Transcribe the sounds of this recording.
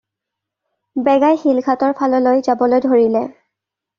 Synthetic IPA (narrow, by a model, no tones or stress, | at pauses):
bɛɡajxilkʰatɔɹpʰalɔlojzabɔlojdʱoɹilɛ